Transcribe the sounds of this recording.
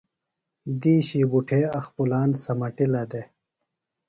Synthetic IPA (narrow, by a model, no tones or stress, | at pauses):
d̪iːɕiːbuʈʰeːɐxpulaːnsɐmɐʈilɐd̪e